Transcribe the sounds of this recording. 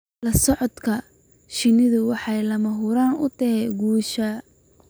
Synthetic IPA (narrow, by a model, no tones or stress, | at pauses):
lɐsɔʕɔd̪kʰɐ | ʃɪnɪðʊwɑħɑjlɐmɐɦʊɾaːnʊt̪ʰɐɦɛɡuːʃɐ